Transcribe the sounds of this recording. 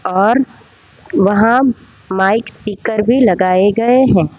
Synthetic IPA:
ɔːɾ | ʋɐɦã | maːɪkspiːkəɾbʱilɐɡaːeɡɐeɦɛ̃ː

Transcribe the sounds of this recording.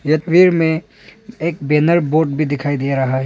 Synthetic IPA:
jɐt̪ʋiːɾmẽ | eːk̚beːnəɾboːɾʈbʱid̪ɪkʰaːid̪ijaɾɐɦaɦ

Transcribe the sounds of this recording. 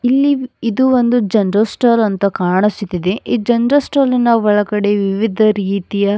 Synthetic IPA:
ilːiid̪uʋond̪ud͡ʒɐnɾɐsʈaːlɐnt̪ɐkaːɳisut̪id̪eʔid͡ʒɐnɾɐsʈaːlinɐʋɔɭɐkɐɽe̞ʋiʋid̪ʱɐɾiːt̪ijɐ

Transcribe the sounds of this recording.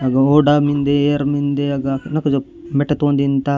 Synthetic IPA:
ɐɡɐoːɖamind̪eeɾmind̪eɐɡaknɐkɐd͡ʒo | meʈɐt̪oːnd̪int̪a

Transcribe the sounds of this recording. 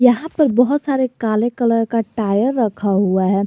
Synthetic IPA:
jɐɦãpɐɾbɐɦʊt̪saːɾekaːlekələɾkaʈaːjəɾːɐkʰaɦuaɦɛː

